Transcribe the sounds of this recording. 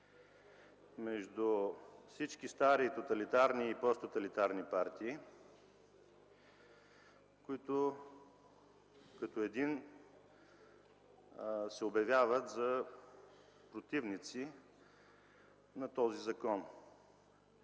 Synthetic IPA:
mɛʒd̪ufsit͡ʃkist̪aɾiːt̪ot̪ɐlit̪aɾniːpɔst̪ot̪ɐlit̪aɾnipaɾt̪iː | kʊit̪o | kɐt̪oɛd̪in | sɛʊbjɐvʲjavət̪zɐ | pɾot̪ivnit̪si | nɐt̪ɔzizɐkɔn

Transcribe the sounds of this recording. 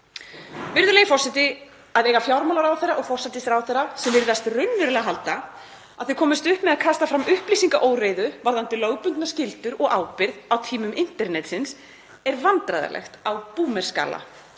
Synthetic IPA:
vɪɾðʏleːjɪfɔr̥sat̪ɪ | aðejɣafjawɾmalaɾawθerːaɔɣfɔr̥sajt̪ɪsɾawθejrasɛmvɪɾðast̪rʏnːvɪɾʏlɛɣɦalt̪a | aðθʏkʰɔːmɪst̪ʏhpmɛðakʰast̪afɾamʏhpliːsiŋkaʔoːwreːjðʏvaɾðant̪ɪloːwpʏnt̪nascɪlt̪ʏɾɔɣaːwpɪɾðawt̪ʰiːmʏmɪn̥t̪ɛɾnɛt̪sɪns | ɛɾvant̪ɾajða̰lɛ̰xt̪awpuːmɛr̥ska̰ːla̰

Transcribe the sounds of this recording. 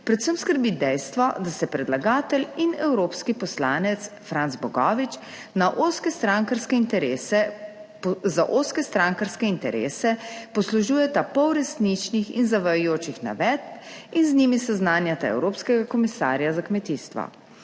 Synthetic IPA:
pɾɛt̪səmskəɾbid̪ɛjst̪ʋɔd̪asɛpɾɛd̪laɡaːt̪ɛlinɛwɾoːpskipɔslaːnɛt̪sfɾant̪zbɔɡɔːʋit͡ʃ | naʔoskɛst̪ɾaŋkaɾskɛint̪ɛɾesɛ | zaʔoːskɛst̪ɾaŋkaɾskɛint̪ɛɾḛːsɛpɔsluʒuːjɛt̪apɔwɾɛsnit͡ʃnixḭnzaʋajʊjoːt͡ʃixna̰ʋɛt̪̚binznimisɛznaːnjat̪aɛ̰wɾoːpskɛɡakɔmisa̰ːɾjazakmɛt̪iːst̪ʋɔ̰

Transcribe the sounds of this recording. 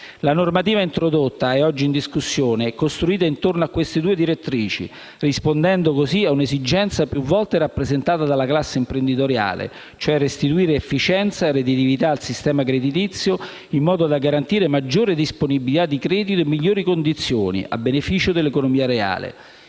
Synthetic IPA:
lanormat̪iːvaint̪ɾod̪ot̪ːaɛɔd͡ʒːiːnd̪iskusːjoːnekost̪ɾuiːt̪aint̪ornoakːwest̪ed̪uːed̪iɾet̪ːɾiːt͡ʃḭ | rispond̪ɛnd̪okosiaunezid͡ʒɛnt̪sapjuvːɔlt̪eɾapːɾezent̪aːt̪ad̪alːaklasːeimpɾend̪it̪oɾja̰ːlḛ | t͡ʃoɛrːest̪it̪uiːɾefːit͡ʃɛnt̪sared̪it̪ivit̪aːlsist̪ɛːmakɾed̪it̪it̪sːjo | imːɔːd̪od̪aɡaɾant̪iːɾemad͡ʒːoːɾed̪isponibilit̪ad̪ːikɾɛːd̪it̪oemːiʎːoːɾikond̪it̪sːjoːnḭa̰bːenefiːt͡ʃod̪elːekonomiːaɾea̰ːlḛ

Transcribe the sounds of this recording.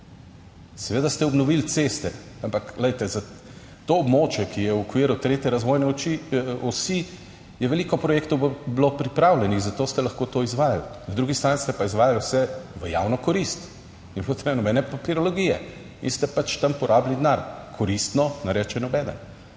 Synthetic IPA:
sɛʋeːd̪ast̪ɛɔbnɔʋilt̪sest̪ɛ | ampaklɛjt̪ɛza | t̪oːbmoːt͡ʃjɛkijɛwɔkʋiːɾut̪ɾeːt̪jɛɾazʋoːjnɛɔt͡ʃiɔsi | jɛʋɛliːkɔpɾɔjekt̪ɔwblopɾipɾawlʲɛnixzat̪oːst̪ɛlɐxkoːt̪oːizʋaːja̰lnad̪ɾuɡist̪ɾanist̪ɛpaizʋaːjalwsɛʋəja̰wnɔkɔɾist̪ | nibot̪nɛnɔbɛːnɛpapiɾɔloɡijɛ̰ | ḭnst̪ɛpat͡ʃt̪ampɔɾʔaːblid̪naɾkʰɔɾist̪nɔnaɾɛːt͡ʃɛnɔbɛd̪ə̰n

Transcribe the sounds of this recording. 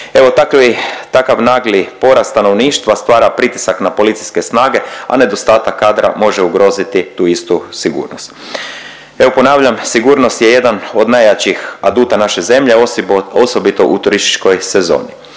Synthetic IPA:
e̞ʋo̞t̪akʋit̪akaʋnaːɡlipo̞ɾast̪ano̞ʋniːʃt̪ʋast̪ʋaːɾapɾit̪i̥saknapo̞lit̪si̥ske̞snaːɡe̞a̰ne̞d̪o̞st̪aːt̪akːaːd̪ɾa̰mo̞ʒeuɡɾo̞ːzit̪it̪uːist̪usiɡṵːɾnost̪ | e̞ʋo̞po̞naːʋʎamsiɡuːɾno̞st̪je̞je̞d̪ano̞d̪najat͡ɕixad̪uːt̪anaʃe̞ze̞mʎeoso̞bit̪o̞ʔut̪uɾist̪i̥t͡ʃko̞jse̞zo̞̰ːni

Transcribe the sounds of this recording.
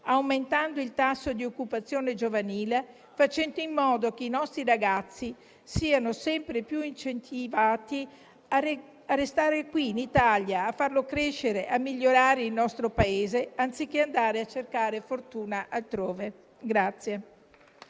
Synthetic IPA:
awment̪and̪oilt̪asːod̪iokːupat̪sːjoːned͡ʒovaniːle | fat͡ʃɛnd̪oimːɔːd̪ok̟einɔst̪ɾiɾaɡat̪sːi | siːanosɛmpɾepjuint͡ʃent̪ivaːt̪i | arest̪aːɾekwiːnit̪aljaːfːarlokɾeʃːeɾeʔamːiʎːoɾaːɾeilnɔst̪ɾopaeːzeant̪sik̟ːeand̪aːɾeat͡ʃːerkaːɾefort̪uːnaʔalt̪ɾoːve | ɡɾat̪sːje

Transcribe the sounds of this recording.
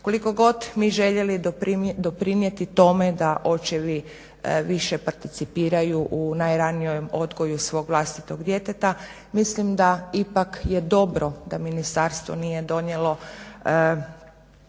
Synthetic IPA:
ko̞liko̞ɡo̞d̪miʒe̞ʎelid̪o̞pɾinje̞t̪it̪o̞me̞d̪aʔo̞t͡ʃeʋi | ʋiʃepaɾt̪it̪sipiːɾajuʔunajɾaniomo̞d̪ɡo̞jusʋo̞ːɡʋlˠast̪it̪o̞ɡd̪je̞t̪et̪a | mislimd̪aipakjed̪o̞bɾo̞d̪aminist̪aɾst̪ʋo̰nije̞d̪o̞ɲjelo̞

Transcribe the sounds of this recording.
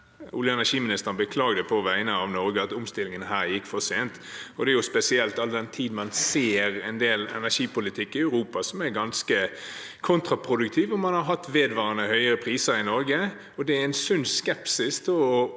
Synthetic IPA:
ʔʊ̰ljəɛnæʂiːmɪnɪst̪əʁnbəkʰlɑːɡd̪əpʰɔʋæɪənəɑʋnɔɾɡəɑt̪ʊmst̪ɪlːɪŋənɦæːɾjɪkːfɔseːnt̪ | ɔd̪ɛæɾjʊspɛsɪɛlt̪ɑld̪ɛnt̪ʰiːd̪n̩mɑnseːɾɛnd̪eːlɛ̰næʂiːpʊlɪt̪ʰɪkːɪæʉɾuːpɑsɔmæɾɡɑnskə | kʰʊnt̪ɾɑpʰɾʊd̪ʉkt̪ʰiːʋɔmɑnhɑɾɦɑt̪ːʋeːd̪ʋɑːɾənəhœʏəɾəpʰɾiːsəɾɪnɔɾɡə | ɔd̪ɛæɾɛɪnsʉnskɛpsɪst̪ʰɪlɔ

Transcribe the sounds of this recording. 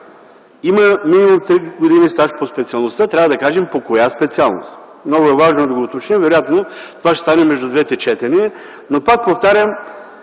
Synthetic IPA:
iməminimumt̪ɾiɡod̪inist̪aʃpospɛt̪siɐlˠnost̪at̪ɾʲavɐd̪ɐkaʒɛmpokojaspɛt̪sialˠno̰st̪ | mnɔɡʊɛvaʒnod̪ɐɡoːt̪ot͡ʃnɛmvɛɾojat̪not̪ovaʃɛ̥st̪anɛmɛʒd̪ʊd̪vɛt̪ɛt͡ʃɛt̪ɛniɛ | nopak̚poft̪aɾʲjəm

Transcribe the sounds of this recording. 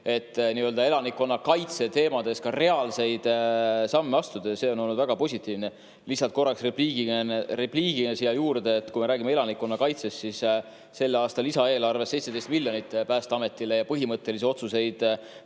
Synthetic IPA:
e̞t̪ːniø̞ld̪ɑe̞lɑnikːo̞nːɑkɑjt̪se̞t̪e̞ːmɑd̪̥e̞skɑre̞ɑlse̞jd̪̥sɑmːeɑst̪ud̪̥ese̞ːo̞no̞lnːud̪væɡ̥ɑpo̞sʲit̪ːˑiːvne | lisːɑlt̪̚ko̞rːɑksrepliːɡinrepliːɡ̥iesijɑjuːɾd̪̥e̞ːt̪ːkujmeɾæːɡimee̞lɑnikːo̞nːɑkɑjt̪se̞st̪sis | se̞lːɑːst̪ɑlisɑe̞ːlɑrvese̞jt̪sed̪e̞jst̪milʲjo̞nit̪ːˑpæːst̪ɑɑme̞t̪ːile̞jɑpɤɦimɤt̪ːe̞lis̬io̞t̪suse̞jd̪̥

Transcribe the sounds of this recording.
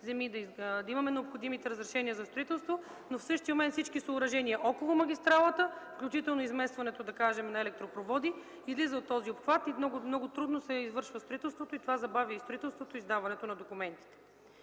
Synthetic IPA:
zɛmid̪ɐd̪ɐimɐmɛnɛopxod̪imit̪ɛɾəzɾɛʃɛniəzɐst̪ɾoit̪ɛlˠst̪vo | nofsɤʃt̪iəmomɛnt̪sit͡ʃkisoːɾɐʒɛniɐʔɔkolˠomɐɡʲist̪ɾalˠət̪əfklʲut͡ʃit̪ɛlˠnoizmɛst̪vɐnɛt̪od̪ɐkaʒɛmɛnɐɛlɛk̚t̪ɾopɾovɔd̪i | izlizəot̪ːɔziopxvat̪imnɔɡʊmnɔɡʊt̪ɾud̪nosɛizvɤɾʃvəst̪ɾoit̪ɛlˠst̪vot̪oit̪ovazɐbavʲjəist̪ɾoit̪ɛlˠst̪vot̪oizd̪avɐnɛt̪onɐd̪okumɛnt̪i̥t̪ɛ̥

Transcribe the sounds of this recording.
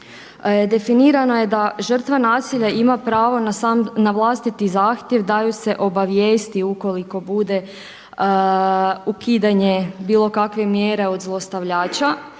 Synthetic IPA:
d̪e̞finiːɾano̞je̞d̪aʒr̩t̪ʋanaːsiʎaʔimapɾaːʋo̞nnaʋlˠast̪it̪izaːxt̪je̞ʋd̪ajuse̞ʔo̞baʋjeːst̪iuko̞liko̞bud̪e̞ | ukiːd̪aɲe̞biːlˠo̞kakʋe̞mjeɾe̞o̞d̪zlˠo̞st̪aʋʎaːt͡ɕa

